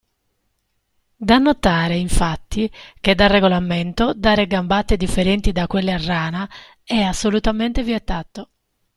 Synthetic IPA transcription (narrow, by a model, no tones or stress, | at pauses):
d̪anːot̪aːɾeiɱfat̪ːik̟ed̪arːeɡolament̪od̪aːɾeɡambat̪ːed̪ifːeɾɛnt̪id̪akːwelːearːaːna | ɛasːolut̪ament̪eviet̪ːaːt̪o